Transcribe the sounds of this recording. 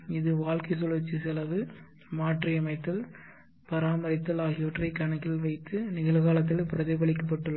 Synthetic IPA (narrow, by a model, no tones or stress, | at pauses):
ɪðɯʋaːɭkɐɪsɔlt͡ʃːɯsɪlɐʋɯ | maːʈrɪɐmɐɪt̪ːɪl | pɐɾaːmɐɾɪt̪ːɐlaːɣɪʋɐʈrɐɪkːɐɳɐkːɪlʋɐɪt̪ːɯnɪɣɐlɣaːlɐt̪̬ːɪlpɪɾɐðɐɪpɐɭɪkːɐpːɐʈːɯlːɐ